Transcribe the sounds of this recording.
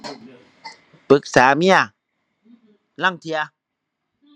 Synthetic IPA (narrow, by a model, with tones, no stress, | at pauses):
pɯ˨˦k̚saː˩˦mi˧˥ɐ | la˧˥˩ŋt̪ʰi˧ɐ˧